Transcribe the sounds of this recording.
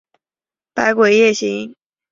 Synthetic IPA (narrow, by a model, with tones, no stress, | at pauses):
pa˧˥ɪkwe˨˩ɪjɛ˥˩ɕi˧˥ŋ